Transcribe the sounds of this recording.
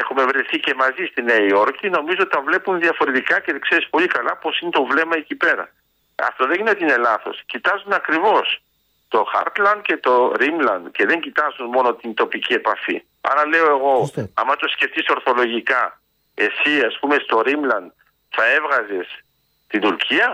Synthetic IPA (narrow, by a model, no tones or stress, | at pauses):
exume̞vɾeθice̞mɐzist̪ineio̞ɾkino̞mizoot̪t̪ɐvle̞punðiɐfo̞ɾe̞t̪ikɐceðkse̞ɾispo̞likɐlɐpo̞sinet̪o̞vle̞mɐecipe̞ɾɐ̰ | ɐ̰ft̪o̞ðeʝinet̪ine̞lɐθo̞̰scit̪ɐzunɐkɾivo̞s | t̪o̞xɐ̰ɾt̪lɐnd̪̚ce̞t̪o̞ɾimlɐnd̪ce̞ðe̞ɲɟit̪ɐzunmo̞no̞t̪int̪o̞picie̞pɐfḭ | ɐ̰ɾɐle̞o̞e̞ɣo̞ɐmɐt̪o̞sce̞ft̪iso̞ɾθo̞lo̞ʝikɐ | e̞siɐspume̞st̪o̞ɾimlɐnd̪̚ | θɐe̞vɣɐze̞s | t̪ind̪uɾcʰiɐ